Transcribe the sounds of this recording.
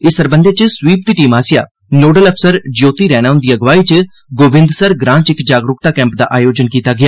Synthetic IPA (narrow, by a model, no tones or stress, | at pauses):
ɪsəɾbə̃nd̪eːt͡ʃəswiːp̚d̪iːʈiːmaːsɪja̰ː | noːɖələpʰsəɾd͡ʒjoːt̪iːɾɛːɽ̃aːɦʊ̃nd̪iːəɡʋaːiːt͡ʃ | ɡoːʋɪ̃nd̪səɾɡɾãːnt͡ʃɪkd͡ʒaːɡɾʊk̚t̪aːkɛ̃ːmpd̪a̰ːʔaːjoːd͡ʒənkiːt̪aːɡɪjaː